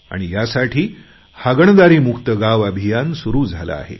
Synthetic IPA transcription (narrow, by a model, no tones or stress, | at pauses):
a̰ɽ̃ijasaʈʰiː | haɡəɳ̃d̪aɾiːmukt̪əɡaʋabʱijansuɾuːd͡zʱala̰a̰ɦḛ